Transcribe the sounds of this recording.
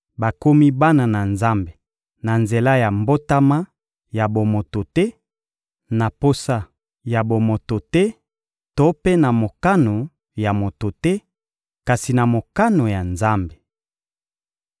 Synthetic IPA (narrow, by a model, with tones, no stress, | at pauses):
ba˨ko˦mi˦ba˦na˨na˨nza˦mbe˨ | na˨nze˨la˦ja˨mbo˦ta˦ma˦ | ja˨bo˨mo˨to˨tɛ˦ | na˨po˦sa˦ | ja˨bo˨mo˨to˨tɛ˦ | to˦pe˦na˨mo˨ka˦no˨ | ja˨mo˨to˨tɛ˦ | ka˨si˨na˨mo˨ka˦no˨ja˨nza˦mbe˨